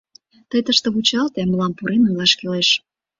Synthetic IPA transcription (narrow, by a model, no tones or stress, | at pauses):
t̪əjt̪əʃt̪ə̆βut͡ɕɑlt̪eməlɑmpuɾenujlɑʃkeleʃ